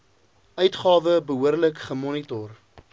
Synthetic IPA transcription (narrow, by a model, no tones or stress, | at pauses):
œɥtχɑːvəbəɦuərləkχəmɔnitɔr